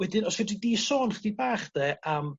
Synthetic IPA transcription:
wɛdɪnɔsvɛdidiːsoːnχdibaːχd̥ɛːəm

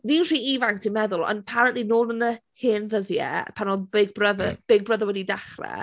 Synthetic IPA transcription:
niːnr̥iːivaŋktʰinmɛðʊlˠə̰napʰaɾənʔlinoːlˠənəhɪːnðəðjɛ̰pʰanɔbɪɡ̚brəðb̥ɪɡ̚brəðəwɛdidaχrɛ̰

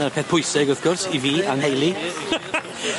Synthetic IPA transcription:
arpʰɛːθpʰʊjsɪɡʊθɡ̥ʊrsiviːanhejlˠi

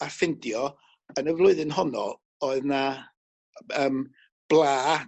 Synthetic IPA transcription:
afɪndjɔ | ənəvlˠʊɨðɪnɦɔnɔ̰ | ɔɨðna | əːm | b̥lˠaː

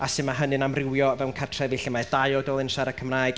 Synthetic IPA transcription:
asɨmaɦənɨnamrɪwjɔvɛwnkʰatʰrɛvɪɬimaɛd̥ajɔdɔːlˠɪnʃaɾəkʰəmraːɨd̥

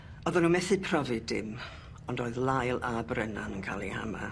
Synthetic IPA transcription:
ɔðɔnuːmɛθɨpʰrɔvɨdɪm | ɔndoːɨðlˠajlˠabrɛnanənkʰaːlˠiha̰ma̰

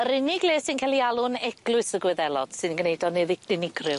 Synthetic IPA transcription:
əɾɪnɪɡlˠeːsɪnkʰalˠialˠʊnɛɡ̥lˠʊɨsəɡwɛðɛlˠɔd̥sɨdŋɡənejdɔnɨðɪdɪnɪɡrɪ

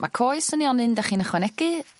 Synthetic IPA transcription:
mʔa̰kʰoːjsəniɔnɨndaχiːnəχwɛnɛɡɨ

